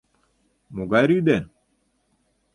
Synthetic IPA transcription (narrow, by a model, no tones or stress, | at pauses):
muɡaɾidɛn